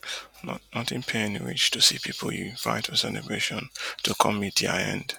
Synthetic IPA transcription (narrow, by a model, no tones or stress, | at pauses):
nɔ̰nɔtɪ̃npʰeɪɛniɹḭt͡ʃtʰusipʰipʰəl̩ˠjuva̰ɪtəsɛlə̰bɹeʃɔ̃ntʰukʰɔ̃mːidia̰ɪɛ̰̃nd̥